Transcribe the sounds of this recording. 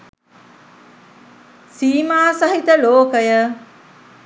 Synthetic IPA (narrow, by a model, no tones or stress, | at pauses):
siːmaːsaɦit̪əloːkəjə